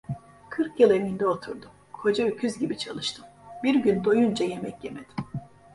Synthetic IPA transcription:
kʰɯɾkjɯlˠemind̪ɛo̞t̪ʰuɾd̪um | kʰo̞d͡ʒaycʰyzɟibit͡ʃʰalˠɯʃt̪ʰɯmbiɾɟynd̪o̞jund͡ʒaje̞mɛcje̞me̞d̪̥i̥m

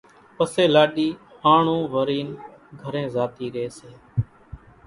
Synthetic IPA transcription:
pəseːlaːɗiː | aːɳũːʋəɾiːnɡʱəɾẽːzaːt̪iːɾeːseː

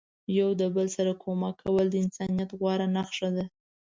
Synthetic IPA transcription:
jawd̪əbəlsaɾakʰomakʰːawəld̪əɪnsɑnijat̪ɣwɑɾanaxʂad̪a

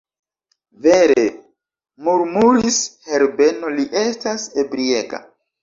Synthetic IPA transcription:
ve̞ɾe | muɾmuɾishe̞ɾbe̞no̞liʔe̞stasebɾieka̰

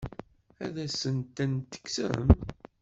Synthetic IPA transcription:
æ̰ðæsənt̪ænt̪ːə̥ksəm

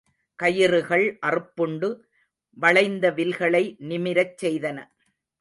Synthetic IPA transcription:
kɐjɪrɯɣɐɭʔɐrɯpːɯɳɖɯ | ʋɐɭɐɪnd̪ɐʋɪlɣɐɭɐɪnɪmɪɾɐt͡ʃːsɛjðɐnɐ

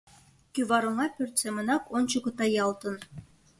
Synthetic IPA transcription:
kʲyβɑɾŏŋɑpʲørt̪semɤ̆nɑkont͡ɕukɤ̆t̪ɑjɑlˠt̪ɤ̆n

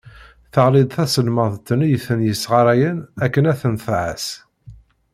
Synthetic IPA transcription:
θəʁlɪd̪ˤθæsəlməðˤt̪ːənijəθənjəsʁɑɾˤæjənækːənæθənθʕæ̰s

